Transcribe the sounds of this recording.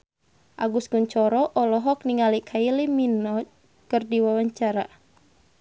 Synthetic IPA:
ʔaɡuskunt͡ʃɔɾɔʔɔlɔɦɔk̚niŋalikʰailiminɔ | kɨrdiwawaɲt͡ʃaɾa

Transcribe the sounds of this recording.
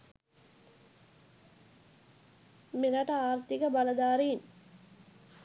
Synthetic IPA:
miɾɐʈɐaːɾt̪ikɐbɐlɐd̪aːɾiːn

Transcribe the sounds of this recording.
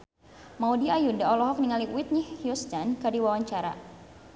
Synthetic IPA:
maudiajundaɔlɔɦɔk̚niŋaliwit̪̚nihhjust̪ankadiwawaɲt͡ʃaɾa̰

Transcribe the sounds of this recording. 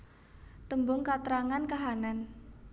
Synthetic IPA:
t̪əmbʊŋkat̪ɾaŋankaɦanan

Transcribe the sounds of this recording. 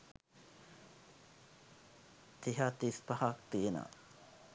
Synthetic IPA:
t̪iɦat̪ispahak̚t̪iena̰

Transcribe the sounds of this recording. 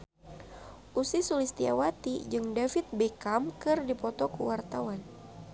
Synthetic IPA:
ʔusisulist̪ia̰wat̪id͡ʒɨŋdafɪt̪̚bekamkɨrdipɔt̪ɔkuwart̪awan

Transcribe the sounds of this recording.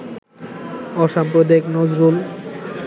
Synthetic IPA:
ɔʃampɾod̪eknod͡ʑɾul

